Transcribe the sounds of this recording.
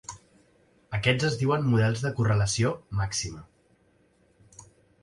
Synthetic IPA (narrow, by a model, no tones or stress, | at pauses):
əkɛd͡zəzðiwəmmuðɛlˠzðəkurələsiomaksimə